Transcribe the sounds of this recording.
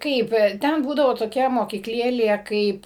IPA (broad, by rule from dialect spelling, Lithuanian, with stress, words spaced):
ˈkɐɪp ˈtʲɛn ˈbuːdɐʋoː toːˈkʲɛ moːkʲiːkˈlʲeːlʲeː ˈkɐɪp